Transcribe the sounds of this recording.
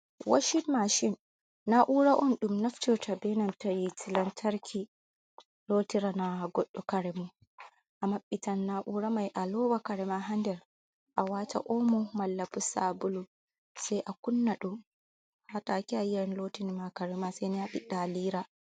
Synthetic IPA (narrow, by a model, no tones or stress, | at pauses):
wʔa̰ʃinmaʃinː | aʔuɾaʔɔnɗumnaftɔtʰabɛnantajitilantʰaɾkʰi | loːtiɾanaɡɔɗːɔkaɾɛmɔ | ʔamaɓːitanːaʔuɾamajʔalɔːwakaɾɛmaɦandɛɾ | ʔawata̰ʔɔmɔmalːapusabulu | sajʔakunːaɗum | hatakiajanlotinimakaɾɛmasɛjniaɗiɗaliːɾa